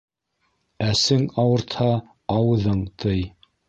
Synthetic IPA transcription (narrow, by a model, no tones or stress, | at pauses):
æsɘŋɑwɤ̆ɾt̪hɑː | wɤ̆ðɤɴt̪ʰɤj